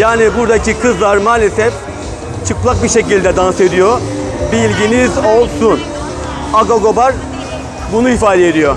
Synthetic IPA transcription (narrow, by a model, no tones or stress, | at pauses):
jaːnibuɾd̪acʰikʰɯzlˠaɾmaːlʲe̞sɛf | t͡ʃʰɯklˠak̚biʃe̞cilʲd̪ɛd̪anse̞d̪ijobilʲɟinizolˠsun | aɡaɡo̞baɾ | bunuifaːd̪ɛed̪ijo